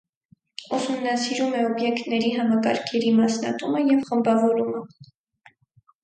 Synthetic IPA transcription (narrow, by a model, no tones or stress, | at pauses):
usumnɑsiɾumɛɔbjɛkt̪nɛɾiɦɑmɑkɑɾkʰɛɾimɑsnɑ̰t̪uməjɛvχəmbɑvɔɾumə